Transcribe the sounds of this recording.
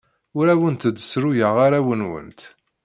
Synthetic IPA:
ʊɾæwənt̪əd̪ːəsɾujəʁaɾæwənwə̰nt̪

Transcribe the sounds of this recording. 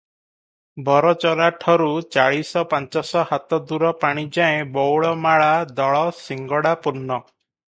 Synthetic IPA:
bʱɔɾɔt͡ʃɔɾaʈʰɔɾut͡ʃaɭisɔpant͡ʃɔsɔhat̪ɔd̪uɾɔpaɽ̃id͡ʒaẽbɔwɭɔmaɭad̪ɔɭɔsiŋɡɔɽapuɾnːɔ

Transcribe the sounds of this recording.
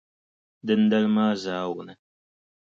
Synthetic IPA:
d̪ɨnd̪ɐlmaːzaːwnə

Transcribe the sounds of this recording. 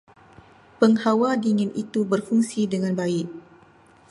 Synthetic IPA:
pəŋhawadiŋɪnʔit̪ubərfuŋsidəŋanbaɪʔ̚

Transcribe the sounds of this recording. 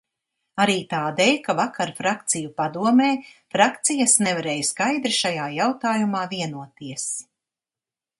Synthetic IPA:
aɾiːt̪aːd̪ɛjkavakaɾfɾak̚t̪sijupad̪uɔmeːfɾakt̪sijasnɛvaɾɛːjskajd̪ɾiʃajaːjawt̪aːjumaːviɛnuɔt̪iɛs

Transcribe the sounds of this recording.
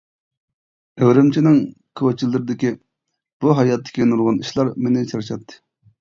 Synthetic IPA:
ewɾɪmt͡ʃʰinɪŋ | kʰot͡ʃʰilːɪɾɪd̪ɪkʲi | b̥uɦɑjɑt̪ʰːɪ̥kʲinulʁɑniʃlˠɑɾmenɪt͡ʃʰɑɾʃɑt̪ʰːɨ̥

